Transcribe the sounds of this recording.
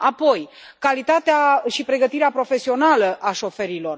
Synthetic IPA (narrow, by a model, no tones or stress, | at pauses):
apo̞j | kalit̪at̪eaʃipɾe̞ɡət̪iɾeapɾo̞fe̞sio̞naləʔaʃo̞fe̞ɾilo̞r